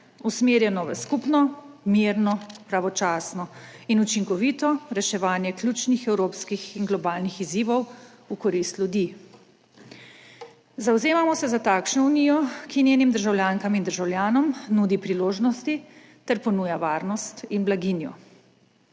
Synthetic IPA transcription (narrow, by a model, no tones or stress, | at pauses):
usmeːɾjɛnɔʋɛskupnɔmiːɾnɔpɾaʋɔt͡ʃaːsnɔinut͡ʃiŋkɔʋit̪ɔɾɛʃɛʋaːnjɛkljut͡ʃnixɛwɾoːpskixinɡlɔbaːlnixiziːʋɔw | ukɔɾist̪lʲjud̪iː | zawzeːmamɔsɛzat̪aːkʃnɔuniːjɔkinjenimd̪əɾʒawljaːŋkamind̪əɾʒawlʲjaːnɔmnud̪ipɾiloːʒnɔst̪i | t̪ɛɾpɔnuːjaʋaːɾnɔst̪inblaɡinjɔ̰